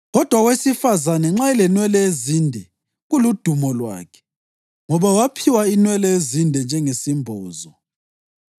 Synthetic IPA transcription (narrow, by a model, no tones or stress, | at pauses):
ɣɔd̥ʱwaɣwesifazanɛŋ͡ǁaɛlɛnwɛlɛezindʱɛ | ɣulud̥ʱumɔlwa̰ːkʰɛ̥ | ŋɔβawapʰiwainwɛlɛezindʱɛnd͡ʒʱɛŋesimbʱɔːzɔ